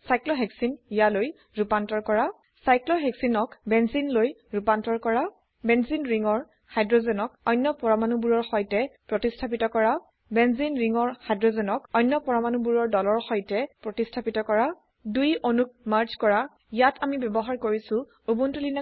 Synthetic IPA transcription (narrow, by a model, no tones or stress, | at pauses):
sajklɔɦɛksinjaloj | ɹupantɔɹkɔɹa | sajklɔɦɛksinɔkbɛnzinloj | ɹupantɔɹkɔɹa | bɛnzinɹiŋɔɹ | hajdɹɔzɛnɔk̚ɔjnːjɔpɔɹamanubuɹɔɹxɔjtɛpɹɔtistʰapitɔkɔɹa | bɛnzinɹiŋɔɹhajdɹɔzɛnɔkɔjnːɔpɔɹamanubuɹɔɹdɔlɔɹxɔjtɛpɹɔtistʰapitɔkɔɹa | dujʔonuk̚maɹt͡ʃkɔɹa | ijatʰamibɛbɔɦaɹkoɹisʊ̃ | ubuntulina